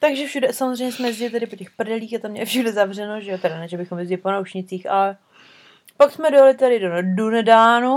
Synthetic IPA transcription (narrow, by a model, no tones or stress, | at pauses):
t̪aɡʒɛfʃudɛsamozr̝ɛjɲɛsmɛzɟɪlɪt̪̬ɛdɪpocɛxpr̩dɛliːxat̪amɲɛfʃudɛzavr̝ɛnoʒɛot̪ɛɾanɛʒabɪxomjɛzɟɛlɪponawʃɲɪt͡siːxʔa̰lɛ | paksmɛdojalɪt̪aɾɪdodunɛdaːnu